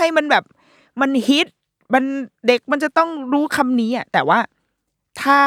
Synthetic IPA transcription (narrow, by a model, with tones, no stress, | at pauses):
a˥˩jma˧nbɛː˨˩p̚ | ma˧nhi˦˥t̪̚ | ba˧nde˨˩k̚ma˧nt͡ɕa˨˩t̪ɔ˥˩ŋɾuː˦˥kʰa˧mniː˦˥ʔa˨˩t̪ɛː˨˩waː˥˩ | t̪ʰaː˥˩